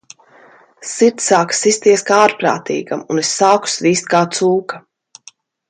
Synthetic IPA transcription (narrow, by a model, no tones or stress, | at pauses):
siɾt̪saːkḁsist̪iɛskaaːɾpɾa̰ːt̪ḭːɡamunesːaːku̥sviːst̪̚kaːt̪suːka